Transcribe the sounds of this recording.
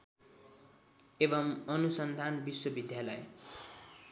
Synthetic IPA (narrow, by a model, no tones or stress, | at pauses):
ebʌmʌnusʌnd̪ʱanbiswʌbid̪ʱjalʌj